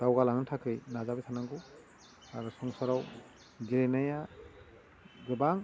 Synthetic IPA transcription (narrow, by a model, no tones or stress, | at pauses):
d̥awɡalaŋɯntʰakʰɯjnazabijtʰanaŋɡu | aɾɯsɔŋsaɾaw | ɡiɾenaja | ɡɯbaŋ